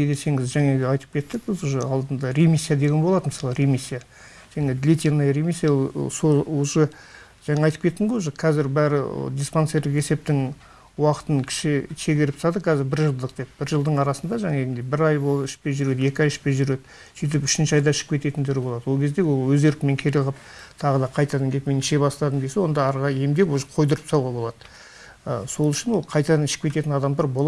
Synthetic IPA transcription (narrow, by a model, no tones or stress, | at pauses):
ed̪ese̞ŋɪzʒæŋeɡ̪ɑjt̪ə̥p̚kʲʰe̞t̪ːɪk̚bɪzuʒəɑlˠd̪ənd̪ɑɾe̞mʲisʲːijad̪e̞ɡʲenbo̞lˠɑd̪əməsɑlˠəɾe̞misʲːija | ʒ̥æŋed̪lʲet̪ʲenːɑjɾe̞misːijasooʒə | ʒ̥ɑŋɑɑjt̪ə̥pkʲet̪ːɪɴqojʒəqʰɑzɪɾbæɾɪ̰d̪ʲisponseɾd̪ɪqe̞se̞p̚t̪ɪŋ | wɑqə̥t̪ənkʲʰɪ̥ʃɪʃʰe̞ɡʲeɾɪp̪ɑd̪əkʲʰæzɪɾbɪɾʒəlˠd̪əq̚d̪̥e̞p̚b̥ɪɾʒəlˠd̪əɴɑɾɑsənd̪ɑʒɑŋɑeɡʲɪnd̪ebɪɾɑjboɪʃpe̞ʒʏɾe̞d̪e̞kʲɑjɪʃpe̞ʒʏɾe̞d̪ə | sijt̪̬ɪpʏ̥ʃɪnʃɪɑjd̪ɑɪʃɪ̥k̚kʰʲe̞t̪e̞t̪ɪnt̪ʰʏɾɪbo̞lˠɑd̪əwokʲe̞zd̪e̞wolˠwɵzɡe̞ɾk̪ʲɪme̞ŋkʲʰeɾeʁəp̚t̪ʰɑʁəd̪ɑqʰɑjt̪ɑd̪ɑŋɡʲe̞pmenɪʃebɑst̪ɑd̪əmd̪esewo̞nd̪ɑːɾʁɑje̞md̪epoʒqʰo̞jd̪əɾəpsɑwʁɑbo̞lˠɑd̪ə | ə̰so̞lˠʏʃɪnwo̞lˠqʰɑjt̪ɑd̪ɑnɪʃɪ̥k̚pʰʲe̞t̪e̞t̪ɪnɑd̪ɑmd̪ɑɾbo̞lˠ